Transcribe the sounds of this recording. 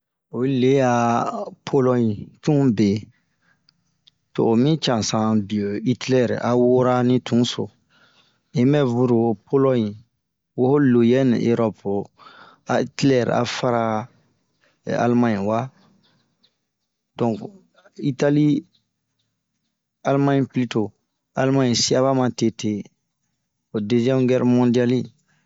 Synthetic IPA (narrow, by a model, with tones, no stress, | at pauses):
o˨˦le˨˦a˨pʰo˦lɔ˦ɲĩ˨tũ˦be˨ | tʊ̰ː˨mĩ˦t͡ʃã˨sã˨bi˨o˨i˦tlɛ˦˨ɾ̰ʔa˨wo˦ɾa˦nĩ˦tũ˨˦so̰˨ | i˦mɛ˦vu˦ɾu˨pʰo˦lɔ˦ɲi˨ | wo˦ho˦lo˨jɛ˦nḭ̃˨ʔe˦ɾɔ˦pʊ˨ | a˨itlɛ˨ɾa̰˨fa˦ɾa˦ | a̰˨lmã˦ɲĩ˨wa˦ | dɔ̃˨ŋk | i˦ta˦li˦ | a˦lmã˦ɲpli˦to˨ | a̰˨lmã˦ɲĩ˨si˦a˦βa˦mã˨te˦tʰe˦ | o˨de˦zɛ̃˦mɡɛ˦ɾmɔ̃˦ndi˦a˦li˦